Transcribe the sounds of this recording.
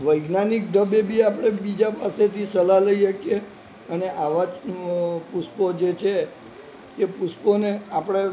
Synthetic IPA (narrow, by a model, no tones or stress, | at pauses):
ʋəjɡnanik̚d̪ʱəbebiapɽ̃ebid͡ʒapaset̪ʰisəlaləiʃəkije | əneʔaʋa | puspod͡ʒet͡ʃʰe | t̪epusponeapəɽ̃e